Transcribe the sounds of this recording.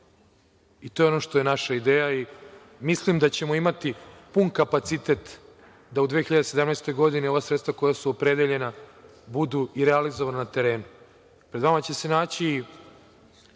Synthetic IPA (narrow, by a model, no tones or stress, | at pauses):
it̪o̞ːjeo̞no̞ʃt̪oje̞naʃaid̪eːjai | mislimd̪at͡ɕe̞mo̞imat̪ipunkapat̪sit̪e̞t̪ | d̪aud̪ʋeːxiʎad̪ese̞d̪amnɛjst̪o̞jɡo̞d̪ineo̞ʋasɾet̪st̪vako̞jasuopɾe̞d̪eʎe̞nabud̪uiɾealizoʋananat̪e̞ɾeːnu | pɾed̪ʋamat͡ɕe̞se̞naːt͡ɕiː